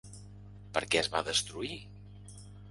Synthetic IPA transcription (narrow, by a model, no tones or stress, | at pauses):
pəɾkɛəzβaðəst̪ɾui